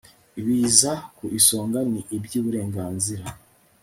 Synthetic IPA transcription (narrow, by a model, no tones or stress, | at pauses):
iβiːzakuʔiso̞ːŋɡaniʔibjuːβuɾe̞ːŋɡaːnziɾa